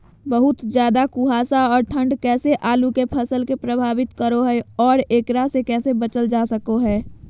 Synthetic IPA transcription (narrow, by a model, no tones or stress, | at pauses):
bəɦʊt̪d͡ʒjaːd̪akuɦaːsaɔːɾʈʰə̃ɳɖkɛːseʔaːlukepʰɐsəlkepɾəbʱaːʋɪt̪kəɾoɦɛɔːɾeːkɾasekɛːsebət͡ʃəld͡ʒaːsəkoɦɛː